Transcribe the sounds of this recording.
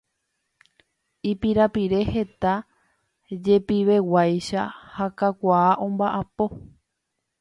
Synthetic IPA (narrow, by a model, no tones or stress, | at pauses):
ipiɾapiɾe̞he̞t̪a | d͡ʒe̞piʋe̞wajʃahakakʷaːʔõ̞mbaʔapo̞